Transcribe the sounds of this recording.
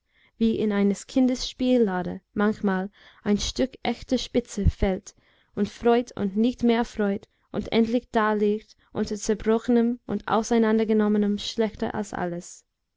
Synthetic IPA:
viːʔɪnaɪnəskʰɪndəsʃpiːlːaːdə̰mançmaːl | ʔaɪnʃtʏkʔɛçtəʃpɪt͡səfɛlt | ʊntfʁ̥ɔʏtʊ̰ntnɪçtmeːɐfʁ̥ɔʏt | ʔʊ̰ntʔɛ̰ntlɪçd̥aːleːkt | ʔʊ̰ntɐt͡sɛɐbʁɔxənəmʔʊ̰nta̰ʊsaɪnandɐɡənɔmənəmʃlɛxtə̰ʔa̰lsʔa̰ləs

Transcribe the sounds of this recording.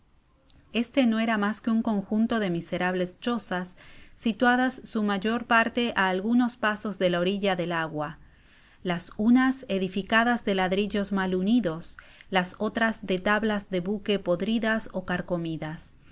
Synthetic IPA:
e̞st̪eno̞e̞ɾamaskeuŋko̞ŋxunt̪o̞ðe̞mise̞ɾaβle̞st͡ʃo̞sasːit̪waðasːumaʝo̞ɾpaɾt̪e̞ʔaːlɣuno̞spaso̞zðe̞laoɾiʎaðe̞laɣwa | lasunase̞ðifikaðazðe̞laðɾiʎo̞zmaluniðo̞s | laso̞t̪ɾazðe̞t̪aβlazðe̞βuke̞po̞ðɾiðaso̞kaɾko̞miðas

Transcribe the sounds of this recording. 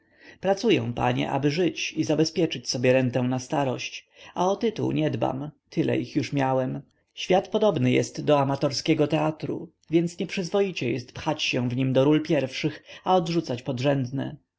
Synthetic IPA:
pɾat̪sujɛ̰̃w̃pa̰ɲɛ̰ʔa̰bɘʐɘt͡ɕizabɛspʲjɛt͡ʂɘt͡ɕsɔbʲjɛɾɛnt̪ɛw̃nast̪aɾɔɕt͡ɕ | aɔt̪ɘt̪ṵwɲɛd̪ba̰mt̪ʰɘlɛ̰ixjuʂmʲjawɛm | ɕfʲjat̪pɔd̪ɔbnɘjɛ̰st̪d̪ːɔamat̪ɔɾskʲɛɡɔt̪ɛat̪ɾṵ | vʲjɛnt̪sɲɛpʂɘzvɔjit͡ɕɛjɛst̪pxat͡ɕɕɛ̃w̃vɲimd̪ɔɾulpʲjɛɾfʂɘxaɔd̪ʐut̪sat͡ɕpɔd̪ʐɛnd̪nɛ̰

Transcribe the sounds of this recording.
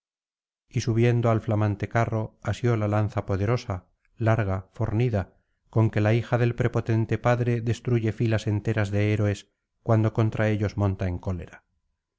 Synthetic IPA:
isuβ̞je̞nd̪oalflamãnt̪e̞karo̞asjo̞lalan̟θapo̞ð̞e̞ɾo̞sa | laɾɣ̞afo̞ɾniða | ko̞ŋke̞laixaðe̞lpɾe̞po̞t̪e̞nt̪e̞paðɾe̞ðe̞st̪ɾuʝe̞filasent̪e̞ɾazðe̞eɾoe̞s | kwand̪o̞ko̞nt̪ɾʔae̞ʎo̞zmõ̞nt̪ae̞ŋko̞le̞̰ɾa

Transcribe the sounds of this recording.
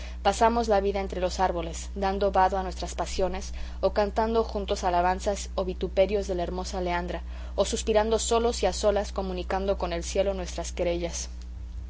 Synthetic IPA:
pasamo̞zlaβiðae̞nt̪ɾe̞lo̞saɾβo̞le̞z | d̪and̪o̞βaðoanwest̪ɾaspasjo̞ne̞s | o̞kant̪and̪oxunt̪o̞salaβ̞ansas | o̞βit̪upe̞ɾjo̞zðe̞laeɾmo̞saleand̪ɾa | osuspiɾand̪o̞so̞lo̞siaso̞lasko̞mũnikand̪o̞ko̞ne̞lsje̞lo̞nwe̞st̪ɾaskeɾe̞ʝas

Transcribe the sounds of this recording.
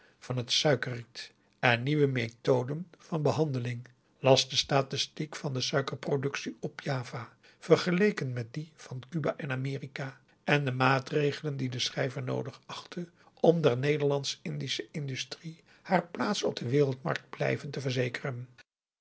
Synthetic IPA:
v̥ɑnɦətsœɥkərit | ɛnniʋəmejtowdənv̥ɑnbəɦɑndəlɪŋ | lɑsdəstaːtɪstikfɑndəsœɥkəɹprodɵksiɔpjaːvaː | v̥ərχəlejkənmɛt̚div̥ɑnkybaːʔɪnaːmɪːrikaː | ʔɛndəmaːtrejχələndidəsrɛjvəɹno̰wdəχɑχtʰə | ʔɔmdɛɹnejdəɹlɑnsɪndisəʔɪndystri | haːɹplaːtsɔb̚dəʋɪːrəlˠtmɑ̰ɹk̚d̚blɛ̰jvəntəvəɹzejkərən

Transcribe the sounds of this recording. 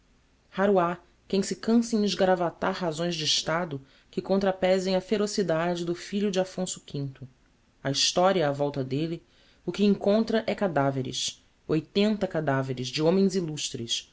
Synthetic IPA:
haɾua | kẽj̃sɪkɐ̃sɐẽj̃ɪzɡaɾavat̪aɾɦazõj̃zd͡ʒɪiʃt̪ad̪ʊ | kɪkõnt̪ɾapɛzẽj̃ɐfeɾosid̪ad͡ʒɪd̪ʊfiʎʊd͡ʒɪafõsʊ̥kʰʲĩnt̪ʊ | ɐiʃt̪ɔɾiɐːvɔwt̪ɐd̪elɪ | ʊkɪĩŋkõnt̪ɾɐʔɛkad̪aveɾɪ̰s | ojt̪ẽnt̪ɐkad̪aveɾɪzd͡ʒɪõmẽj̃ziluʃt̪ɾɪs

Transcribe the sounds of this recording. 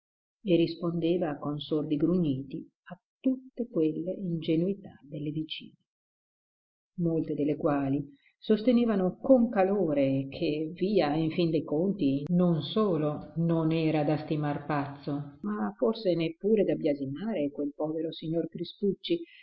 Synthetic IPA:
erːispond̪eːvakonsord̪iɡɾuɲːiːt̪i | at̪ːut̪ːekwelːeind͡ʒenuit̪ad̪elːevit͡ʃḭːne | molt̪ed̪elːekwaːli | sost̪eneːvanokoŋkaloːɾekʰeviːaiɱfind̪ejkont̪inonsoːlononɛːɾad̪ast̪imarpat̪sːomaforsenepːuːɾed̪abjazinaːɾekwelpɔːveɾosiɲːorkɾist̪ut͡ʃːi

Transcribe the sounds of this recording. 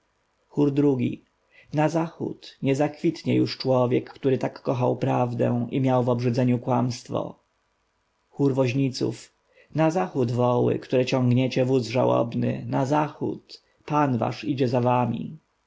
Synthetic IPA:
xuɾd̪ɾuɡʲḭ | nazaxṵt̪ɲɛzakfʲit̪ɲɛjuʂt͡ʂwɔvʲjɛkːt̪uɾɘt̪akːɔxawpɾavd̪ɛ̰w̃imʲjawvɔbʐɘd̪zɛɲukwamst̪fɔ̰ | xuɾvɔʑɲit̪sṵf | nazaxud̪vɔwɘ̰kt̪uɾɛt͡ɕɔ̃ŋɡɲɛt͡ɕɛvuzʐawɔ̰bnɘ̰nazaxṵt̪ | panva̰ʂid͡ʑɛzavamʲḭ

